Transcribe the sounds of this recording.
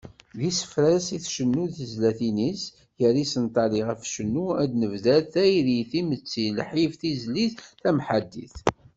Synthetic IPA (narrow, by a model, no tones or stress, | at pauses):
ðisə̥fɾæsiθʃənːuðizlæθinis | jəɾisənt̪ˤɑliʁəfʃənːuæd̪nəvðæθæjðiθimət͡sːiləħifθizliθθæmħad̪ːḭθ